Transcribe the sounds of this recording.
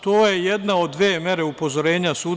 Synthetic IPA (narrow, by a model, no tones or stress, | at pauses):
t̪o̞ːjejed̪nao̞d̪ːʋeːmje̞ɾe̞upo̞zo̞ɾe̞ːɲasuː